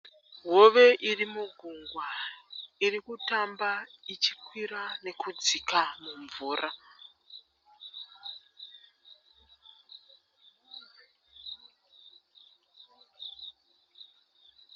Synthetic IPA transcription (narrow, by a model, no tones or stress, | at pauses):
ɦoʋe̞ʔirimuɡʱuŋɡwa | irikutambait͡ʃi̥kwiɾane̞kud͡zikamuɱvuːra